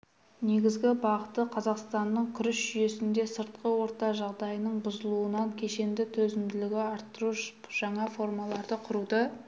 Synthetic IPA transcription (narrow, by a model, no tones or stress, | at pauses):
ne̞ɡʲɪzɡʲɪbɑʁət̪ːəqʰɑzɑqst̪ɑnːəɴkʲʰʏɾɪsʒʏje̞sɪnd̪e̞səɾt̪̚qəwo̞ɾt̪ɑʒɑʁd̪ɑjənəɴbʊzəlˠuənɑŋkʲʰe̞ʃe̞nd̪ɪt̪ʰɵzɪmd̪ɪlɪɡʲɪɑɾt̪ːəɾuʃʒ̥ɑɴɑfo̞rmɑlˠɑɾd̪əqʰʊɾud̪ə